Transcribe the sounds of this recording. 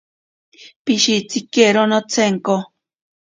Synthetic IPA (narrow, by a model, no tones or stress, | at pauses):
piʃit͡sikeɾonot͡sʰeŋko